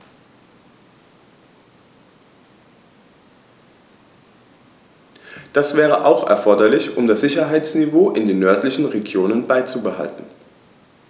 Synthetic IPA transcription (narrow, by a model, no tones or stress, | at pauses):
d̥asv̥ɛːʁ̞əʔaʊxɛ̰ɐfɔɐdɐlɪçʔʊmdasz̥ɪçɐɦaɪt͡snivoːʔɪndeːnːœɐtlɪçn̩ʁeɡjoːnənbaɪt͡subəha̰ltn̩